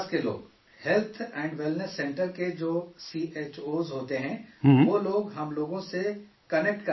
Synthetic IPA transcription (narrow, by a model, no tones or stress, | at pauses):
skelo̰ːɡ | hɛlt̪ʰɛ̃ːɳɖʋɪlnəsːɛ̃ːɳʈəɾked͡ʒoːsiːʔeːt͡ʃoːzɦoːt̪eɦɛ̃ʋoːloːɡɦɐmloːɡõse | kɐnek̚ʈkɐ